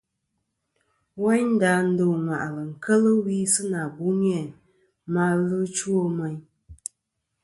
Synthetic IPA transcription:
wa˦ɲn̩˦da˨˦n̩˦do˨ŋwa˨ʔlə˨ŋ̩˨kʰə˦lə˦wi˦sɨ˦na˨ɡu˨˦ŋ˦ɛ˨ | ma˦lɨ˦t͡ʃwo˦mɛ˦ɲ

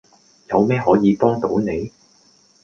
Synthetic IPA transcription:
jɐ˨˧wmɛː˥ɦɔː˨˥jiː˨˧pɔː˥ŋt̪o˨˥wne˨˧j

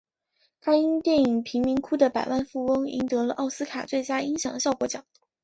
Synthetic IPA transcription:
kʰa˥ɪi˥ŋt̪jɛ˥˩ni˨˩ŋpʰi˧˥ŋmi˧˥ŋkʰu˥d̪ə˨pa˨˩ɪwʔa˥˧nfu˥˩wɤ˥ŋḭ˧˥ŋt̪ɤ˧˥lə˧ʔɑ˥˩ʊsɹ̩˥kʰa˨˩t͡swe˥˩ɪt͡ɕja˥i˥ŋɕjɑ˨˩ŋd̪ɕjɑ˥˧ʊkwɔ˧˥t͡ɕjɑ˨˩˦

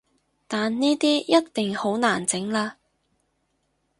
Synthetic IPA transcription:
t̪aː˨nniː˥t̪iː˥jɐ˥tt̪ɪ˨ŋho˨˥wnaː˨˩nt͡sɪ˨˥ŋlaː˧

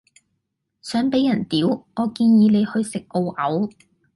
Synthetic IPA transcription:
sœː˨˥ŋpe˨˥jːɐ˨˩nt̪iː˨˥wŋɔː˨˧kiː˧njiː˨˧ne˨˧jhɵ˧ɥsɪ˨k̚ʔo˧wʔɐ˨˥w

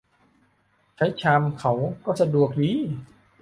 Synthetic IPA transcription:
t͡ɕʰa˦˥jt͡ɕʰaː˧mkʰa˩˦wkɔː˥˩sa˧du˨˩ək̚diː˨˦

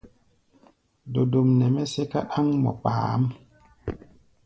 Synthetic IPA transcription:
do˨do˨mnɛ˨mɛ˦se˦ka˦ɗa˦ŋmɔ̰˨k͡pa̰ː˨˦m

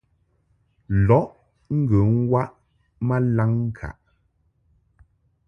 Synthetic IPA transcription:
lɔ˨˦ʔ | ŋ̩˦ɡə˨ŋ̩˦wa˦ʔ | ma˦la˦ŋ˦kʰa̰˨ʔ

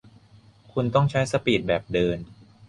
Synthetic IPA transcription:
kʰu˧nt̪ɔ˥˩ŋt͡ɕʰa˦˥jsa˧piː˨˩t̪̚bɛː˨˩p̚dɤː˧n

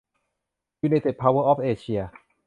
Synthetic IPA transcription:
juː˧naː˧jt̪ʰe˨˩t̪̚pʰaː˧wɤː˧˩ʔɔː˦˥p̚ʔeː˧t͡ɕʰi˧ɐ

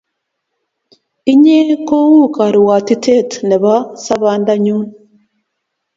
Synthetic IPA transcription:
i˦ɲe˦ko˦wu˦ka˨ɾi˨wa˨ti˦tʰe˦tne˨βa˦sa˦βaː˦nd̪a˦ɲuː˦n

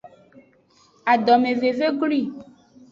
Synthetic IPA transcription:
a˨ɖɔ˨mẽ˨ve˨ve˦ɡli˦˨

